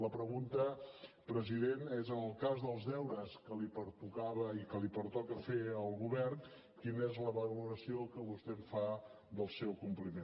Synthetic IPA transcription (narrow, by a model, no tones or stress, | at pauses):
ləpɾəɣunt̪ə | pɾəziðenezənəlˠkazðəlˠzðɛwɾəskəlipəɾt̪ukaβəikəlipəɾt̪ɔkəfeəlˠɣuβɛrn | kinəezləβəluɾəsiokəβust̪ɛmfa | ðəlˠsɛwkumplimen